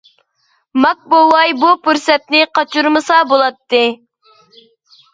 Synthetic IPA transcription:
mɑk̚bowɑjbupuɾsɛt̪nɪqɑt͡ʃuɾmɨsɑbolˠɑt̪ːɨ

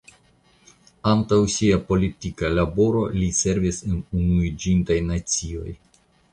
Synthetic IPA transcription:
antawsiapo̞litikalabo̞ɾo̞lise̞ɾvisenunuid͡ʒintajnat͡sio̞̰j

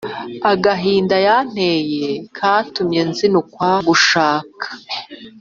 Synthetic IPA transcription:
aɡaɦiːndajan̥ejekʰaːtumɲe̞nzinukwaɡuʃaːkʰḁ

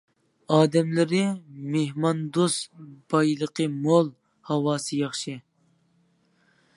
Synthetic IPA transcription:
ɑːd̪ɛmlɪɾɪmehmɑnd̪osb̥ɑjlˠəqəmolˠ | hɑwɑːsɨjɑχʃɨ

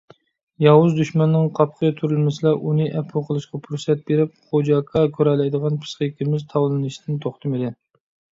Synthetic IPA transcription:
jɑwuzd̪yʃmɛnːɪŋqʰɑpqʰət̪ʰuɾɪlmɪsɨlˠɑʔunɨʔɛpʰulˠqʰəlˠɨʃqɑpʰuɾsɛt̪̚beɾɪp̚χod͡ʒɑkʰɑkʲʰøɾɛlːɛjd̪əʁɑnpʰɨ̥sqəkʲɪmɪzt̪ʰɑwlˠɨnɨʃid̪ɪnt̪ʰoχt̪ʰɨmɨd̪ɪ

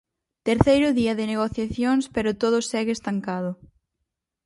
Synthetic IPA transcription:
t̪eɾθejɾʊðiɐðɪneɣ̞oθjaθjoŋspeɾʊt̪oðʊsɛɣɪest̪aŋkaðʊ

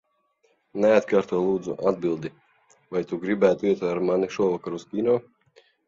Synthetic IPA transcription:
nɛat̪kaːɾt̪uɔlˠuːd̪zṵʔad̪̚bilˠd̪i | vajt̪uɡɾibæːt̪uiɛt̪aaɾmaniʃuɔvakaɾuskʲinɔː

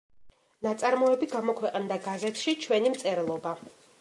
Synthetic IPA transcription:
nat̪sʼaɾmɔɛbiɡamɔkʰwɛqʼnd̪aɡazɛt̪ʰʃit͡ʃʰwɛnimt̪sʼɛɾɛlˠɔba

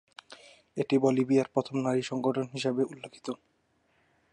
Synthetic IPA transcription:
eʈibolibiaɾpɾɔt̪ʰomnaɾiʃɔŋɡoʈʰonɦiʃabeulːekʰi̥t̪o

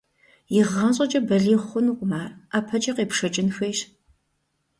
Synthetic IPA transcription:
jɪʁːɐnɕ̬ʼɐt͡ʃʼɐbɐɮiːχʷʊnuqʷʼʊmaːraːpʰɐt͡ʃʼɐqeːpʂɐt͡ʃʼɪnxɐjɕ

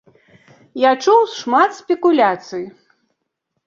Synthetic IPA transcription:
jat͡ʂuwsʂmat̪sʲpʲɛkulʲat̪sɨji

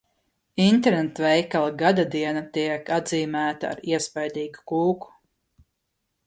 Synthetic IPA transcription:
int̪ɛɾnɛt̪vɛjkalˠɡad̪ad̪iɛnat̪iɛkad̪ziːmæːt̪a̰ːɾiɛspajd̪iːɡu̥kuːku̥

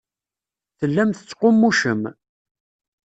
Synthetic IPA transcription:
θəlːæmθə̥t͡sːqʊmːuʃəm

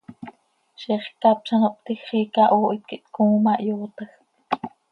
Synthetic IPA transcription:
ʃiχkɑp̚ʃɑnoʔpt̪ixχiːkɑʔoːʔit̪̚kiʔt̪kuːmɑʔjoːt̪ɑx

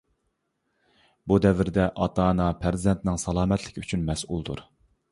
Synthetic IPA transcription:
bud̪ɛvɪɾd̪ɛʔɑt̪ɑːnɑpʰæɾzɪzd̪ɛnt̪ɪnɪŋsɑlˠɑːmɛt̪ʰlɪ̥kʲyt͡ʃʰynmɛsulˠd̪uɾ

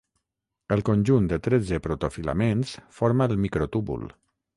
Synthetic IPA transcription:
əlˠkonʲʒund̪ət̪ɾɛd͡zəpɾot̪ofila̰mensfoɾmalˠmikɾot̪uβṵl

